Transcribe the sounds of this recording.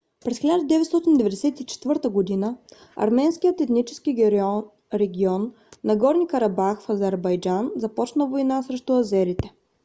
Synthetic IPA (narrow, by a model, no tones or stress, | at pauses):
pɾɛsxʲilʲad̪əd̪ɛvɛt̪st̪ɔt̪ind̪ɛvɛd̪ɛsɛt̪it͡ʃɛ̥t̪vɤɾt̪əɡod̪inə | ɐ̰ɾmɛnskijət̪ɛt̪nit͡ʃɛskiɾ | ɾɛɡʲiɔnː | ɐɡɔɾnʲikɐɾɐbaxfɐzɛɾbɐjd͡ʒanzɐpɔt͡ʃnəvojnasɾɛʃt̪ʊɐzɛɾit̪ɛ̥